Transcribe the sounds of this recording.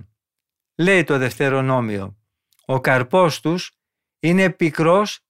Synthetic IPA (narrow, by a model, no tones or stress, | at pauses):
le̞jt̪o̞ðe̞ft̪e̞ɾo̞no̞mio̞̰ | okɐɾpo̞st̪us | ine̞pikɾo̞s